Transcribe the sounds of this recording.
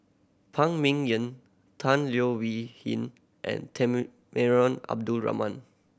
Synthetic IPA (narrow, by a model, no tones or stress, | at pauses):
pʰãŋmĩŋjə̃n | tʰãnljowihḭ̃n | ʔɛ̰̃ntʰɛ | mɛɹɔ̃na̰b̚dulɹa̰mãn